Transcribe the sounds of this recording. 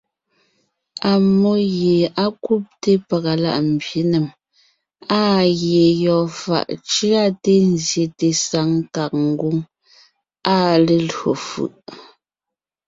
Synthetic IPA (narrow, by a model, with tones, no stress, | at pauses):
a˨mo˦ɣje˨a˦ku˦p̚te˦pa˨ɣa˨la̰˦ʔm̩˨bje˨˦ne˨m | a˦˨ɣje˨jɔ˨fa̰˨ʔt͡ʃɰa˦te˦n̩˦˨zje˨te˨sa˨˦ŋka˨k̚ŋ̩˦ɡu˦ŋ | a˦le˦lo̰˨fʉ̰˨ʔ